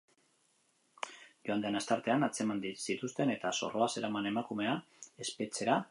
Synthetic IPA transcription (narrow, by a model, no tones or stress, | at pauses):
ʝoand̪enast̪aɾt̪e̞anat͡se̞mand̪isit̪ust̪e̞ne̞t̪aso̞̰ro̞ase̞ɾamane̞makume̞a | e̞spe̞t͡se̞ɾa